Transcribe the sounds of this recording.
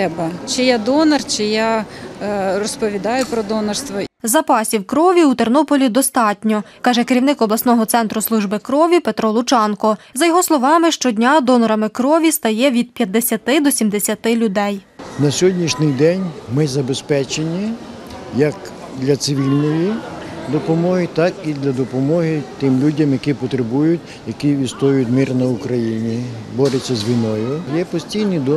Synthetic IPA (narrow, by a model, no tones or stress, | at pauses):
ɛbɐt͡ʃɪjad̪ɔnɐrt͡ʃɪja | rɔspɔʋʲid̪ɑjʊpɾɔd̪ɔnɐrst̪ʋɔzɐpɑsʲiwkɾɔʋʲiut̪ernɔpɔlʲid̪ɔst̪ɑtʲnʲɔkɑʒɛkeɾʲiwnɪkɔblˠɐsnɔɦɔt̪sɛnt̪ɾʊslˠuʒbɪkɾɔʋʲipe̞t̪ɾɔlˠʊt͡ʃɑnkɔzɐjɔɦɔslˠɔʋɑmɪʃt͡ʃɔdʲnʲad̪ɔnɔɾɐmɪkɾɔʋʲist̪ɐjɛʋʲid̪̚pʲjɐd̪ːesʲɐt̪ɪd̪ɔsʲimd̪esʲɐt̪ɪlʲʊd̪ɛjnɐsʲɦɔdʲnʲiʃnʲɪjd̪ɛnʲmɪzɐbespɛt͡ʃenʲːi | jɐk | d̪lʲɐt̪sɪʋʲilʲnɔjid̪ɔpɔmɔɦɪt̪ɑkid̪lʲɐd̪ɔpɔmɔɦɪt̪ɪmlʲudʲɐmjɐkipɔt̪ɾebujʊtʲ | jɐkiʋʲist̪ɔjʊtʲmirnɐʊkɾɐjinʲibɔɾɪt͡sʲːɐzʋʲijnɔjʊjɛpɔsʲtʲijnʲid̪